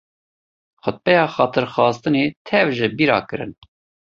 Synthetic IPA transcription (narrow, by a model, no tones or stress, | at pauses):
xʊt̪̚pɛjɑːxɑːt̪ʰɨɾxɑːst̪ɨneːt̪ʰɛvʒɨbiːɾɑ̰ːkɨɾɨ̰n